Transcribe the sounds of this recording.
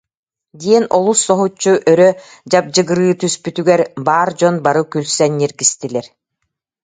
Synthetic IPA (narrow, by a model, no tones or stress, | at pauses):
d̪iɛnɔlˠusːɔɦut͡ɕːuʔœɾœ | d͡ʑap̚d͡ʑɯɡɯɾɯːt̪yspyt̪yɡɛɾbaːɾd͡ʑɔnbaɾɯkylsɛnːiɾɡist̪ilʲɛɾ